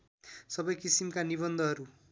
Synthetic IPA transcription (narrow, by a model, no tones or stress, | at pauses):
sʌbʌjkisimkaniβʌnd̪ʱʌɦʌɾu